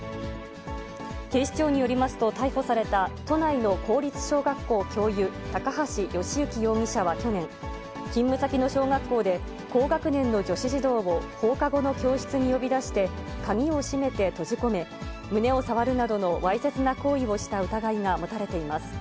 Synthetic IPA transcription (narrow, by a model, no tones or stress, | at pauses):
k̪e̞ːɕi̥t͡ɕo̞ːɲ̟ijo̞ɾʲimasɨ̥t̪o̞t̪aiɸo̞saɾe̞t̪at̪o̞naino̞ko̞ːɾʲit͡sɨ̥ɕo̞ːɡakːo̞ːkʲo̞ːjɯ̟t̪akaɦaɕijo̞ɕiɯ̟kʲijo̞ːŋʲiɕaβakʲo̞nẽ̞ŋ | kʲĩmːɯ̟sakʲino̞ɕo̞ːɡakːo̞ːd̪e̞ | ko̞ːɡakɯ̟nẽ̞nːo̞d͡ʑo̞ɕiʑid̪o̞ːβo̞ho̞ːkaɡo̞no̞kʲo̞ːɕi̥t͡sɨɲ̟ijo̞bʲid̪aɕi̥t̪e̞kaŋʲio̞ɕime̞t̪e̞t̪o̞ʑiko̞me̞ | mɯ̟ne̞o̞saβaɾɯ̟nad̪o̞no̞βaise̞t͡sɨnako̞ːio̞ɕi̥t̪aɯ̟t̪aɡaiŋamo̞t̪aɾe̞t̪e̞imasɨ̥